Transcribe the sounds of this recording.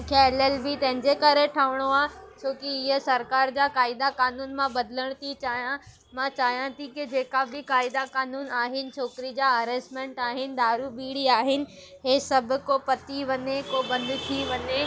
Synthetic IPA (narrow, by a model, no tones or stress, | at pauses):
kʰɛːləlbɪt̪ɐ̃ɦɪ̃ɲd͡ʑekɐɾeʈʰɐʋɪɽ̃oaːt͡ɕʰoːkiɪɦəsɐɾkaːɾd͡ʑaːkaːɪd̪akaːnuːnmãbɐd̪ʱɪləɽ̃t̪ʰit͡ɕaːjã | mãt͡ɕaːjãt̪ʰikɪd͡ʑeːkabɪkaːɪd̪akaːnuːnaːɦɪnɪ̆t͡ɕʰoːkɪɾid͡ʑaːɐɾeːsʈmẽːɳʈaːɦɪnɪ̆d̪aːɾubiːɽiaːɦɪnɪ̆ | ɦeːsɐbʱʊ̆kopɐt̪iʋɐɲekobɐ̃nd̪t̪ʰiʋɐɲe